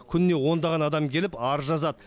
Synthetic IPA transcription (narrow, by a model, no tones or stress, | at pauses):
kʲʰʏnnːe̞wo̞nd̪ɑʁɑnɑd̪ɑmkʲʰe̞lɪpɑɾʒɑzɑd̪ə